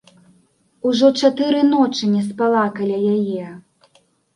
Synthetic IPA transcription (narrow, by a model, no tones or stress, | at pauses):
uʐɔt͡ʂat̪ɨɾɨnɔt͡ʂɨnʲɛspalˠakalʲajajɛ